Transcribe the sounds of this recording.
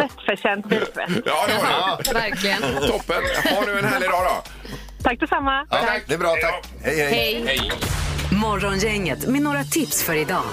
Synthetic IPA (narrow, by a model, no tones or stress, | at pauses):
ɛt̪ːfœɕɛnt̪bilkvɛ̰sɑːvæɾklɪɡənt̪ʰɔpːənhaɖʉːɛnhæːɭɪd̪ɑːɾɔ̰ | t̪ʰak̚ːd̪ɪsamːaad̪ɛːbɾɑːt̪ʰa | hɛjhɛhɛjhɛj | mɔɾɔnjɛŋːət̪mɛnoːɾat̪ʰɪpsfœɾɪd̪ɑ̰ː